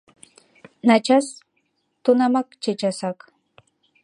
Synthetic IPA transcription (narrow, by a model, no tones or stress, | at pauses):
nat͡ʃas | t̪ʊnamakt͡ʃet͡ʃasak